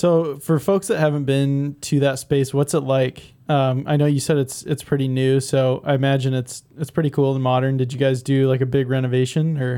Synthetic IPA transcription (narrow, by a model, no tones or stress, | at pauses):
soʊfə˞foʊksðɨt̚hævɨ̃n̩b̥ɪ̃ntʰɨðɨtspeɪswʌtsətˡlaɪk | ʌ̃ma̰ɪnoʊjɨsɛɾɨtsɨtspʰɹ̥ɪɾinʉsoʊʔa̰ɪɨmæd͡ʒɨ̃nɨtsɨtspʰɹ̥ɪɾikʰulˠə̃nmɑɾə̃˞ndɨd͡ʒɨɡaɪzdɨlaɪkɨbɪɡɹɛñɨveɪʃɨ̃nə˞